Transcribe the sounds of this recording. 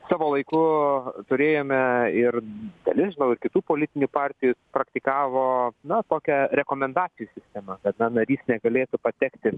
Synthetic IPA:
sɑːʋoːlˠɐɪkʊt̪ʊɾʲeːjoːmʲɛɪrd̪ɐ̰lʲɪsʒʲɪnɐʊɪrkʲɪt̪uːpoːlʲɪt̪ʲɪnʲupɑːrʲt̪ʲɪjʊpɾɐkt̪ʲɪkɑːʋoːnɐt̪oːkʲɛɾʲɛkoːmʲɛnd̪ɑːt͡sʲɪjuːsʲɪsʲt̪ʲɛmɐkɐt̪nɐnɐɾʲiːsnʲɛɡɐlʲeːt̪ʊpɐt̪ʲɛkt̪ʲɪ

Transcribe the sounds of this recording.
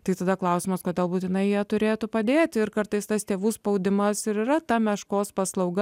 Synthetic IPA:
t̪ɐɪt̪ɐd̪ɐklˠɐʊsʲɪmɐskoːd̪ʲeːlˠbuːt̪ʲɪnɐɪjiɛt̪ʊɾʲeːt̪upɐd̪ʲeːt̪ʲɪɾkɐɾt̪ɐɪst̪ɐst̪ʲeːʋuːspɐʊd̪ʲɪmɐsɪɾɪɾɐt̪ɐmʲɛʃkoːspɐslˠɐʊɡɐ

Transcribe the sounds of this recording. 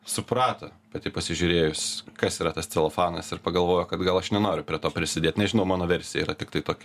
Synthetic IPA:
sʊpɾɑːt̪ɐpɐt̪ʲɪpɐsʲɪʒʲʊɾʲeːjʊsʲkɐsiːɾɐt̪ɐstt͡s̪ʲɛlˠɐfɑːnɐsɪɾpɐɡɐlˠʋoːjʊkɐt̪ɡɐlˠɐʃnʲɛnoːɾʲʊpʲɾʲiɛt̪oːpʲɾʲɪsʲɪdʲeːt̪ʲnʲɛʒʲɪnɐʊmɑːnoːʋʲɛɾʲsʲɪɛiːɾɐt̪ʲɪkt̪ɐɪt̪oːkʲɛ

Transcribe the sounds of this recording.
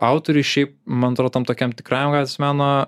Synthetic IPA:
ɑʊt̪oɾʲʊɪʃʲɛɪpmɐnɐt̪ɾoːt̪ɐmt̪oːkʲɛmt̪ʲɪkɾɑːjɛmɡɑːt̪ʲsʲmʲæːnoː

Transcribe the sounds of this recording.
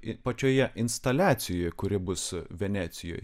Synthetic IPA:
ɪpɐt͡ʃʲoːjɛʔɪnst̪ɐlʲæːt̪sʲɪjojkʊɾʲɪbʊsʋʲɛnʲæːt̪sʲɪjo̰ːj

